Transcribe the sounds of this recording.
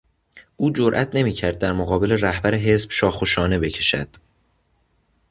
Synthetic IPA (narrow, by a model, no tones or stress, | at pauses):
ʔuːd͡ʒoɾʔæt̪ʰne̞miːcʰæɾd̪̚ːæɾmoɣɒːbe̞le̞ræhbæɾeɦe̞sb̥ʃɒːxoʃɒːne̞be̞cʰe̞̥ʃæ̰d̪̥